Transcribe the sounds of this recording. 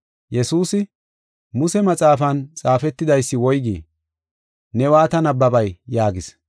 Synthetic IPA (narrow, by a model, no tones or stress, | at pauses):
jɛsuːsɪ | mʊsɛmɐt͡sʼaːfɐnt͡sʼaːfɛt̪ːɪd̪ɐjsːɪwɔjɡḭː | nɛwaːt̪ɐnɐbːɐbɐjjaːɡɪs